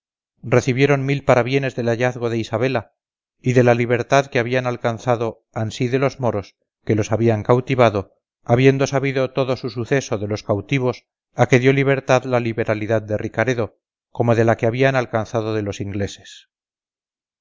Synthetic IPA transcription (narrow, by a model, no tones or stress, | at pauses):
re̞θiβjeɾo̞nmilpaɾaβje̞ne̞zðe̞laʝaθɣo̞ðe̞isaβe̞la | iðe̞laliβe̞ɾt̪aðke̞aβianalkanθaðo̞ | ansiðe̞lo̞zmo̞ɾo̞s | ke̞lo̞saβiaŋkawt̪iβaðo̞ | aβje̞nd̪o̞saβiðo̞t̪o̞ðo̞susuθe̞so̞ðe̞lo̞skawt̪iβ̞o̞s | ake̞ðjo̞liβ̞e̞ɾt̪aðlaliβe̞ɾaliðað̚d̪erikaɾe̞ðo̞ | ko̞mo̞ðe̞lakeaβianalkanθaðo̞ðelo̞siŋɡle̞se̞̥s